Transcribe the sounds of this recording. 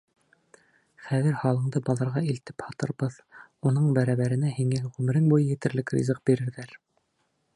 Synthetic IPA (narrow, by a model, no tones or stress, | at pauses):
χæðɘɾhɑlˠɤ̆ɴd̪ɤbɑlˠɤ̆ɾʁɑilt̪ɘ̥phɑt̪ɤ̆ɾbɤð | unɤɴbæɾæβæɾɘ̆næhiŋæʁʉmɘ̆ɾɘŋbujɤjɘ̆t̪ɘ̆ɾlɘkrʲḭzɤq̚biɾɘ̆ɾðæɾ